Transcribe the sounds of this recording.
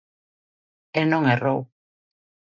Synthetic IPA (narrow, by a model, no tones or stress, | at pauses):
enoŋero̰w